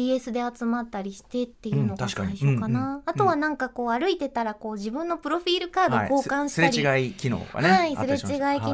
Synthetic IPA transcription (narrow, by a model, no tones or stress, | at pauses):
ie̞sɨd̪e̞at͡sɨmat̪ːaɾʲiɕi̥t̪e̞t̪ːe̞jɯ̟not̪akɕokanaːt̪o̞βanãŋkako̞ːaɾɯ̟it̪e̞t̪aɾako̞ːʑibɯ̟̃nːo̞pɯ̟ɾo̞ɸʲiːɾɯ̟kaːd̪oko̞ːkãɰ̃ɕi̥aɾiɡaikʲino̰ɡa̰naisɾet͡ɕiɡaikʲi